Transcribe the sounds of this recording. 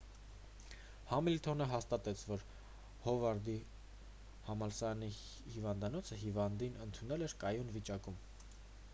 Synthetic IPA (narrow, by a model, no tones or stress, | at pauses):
hɑmilt̪ʰɔnəɦɑst̪ɑt̪ɛt͡sʰvɔɾ | hɔvɑɾd̪i | hɑmɑlsɑni | hivɑnd̪ɑnɔt͡sʰəɦivɑnd̪inənt̪ʰunɛlɛɾkɑjunvit͡ʃɑkum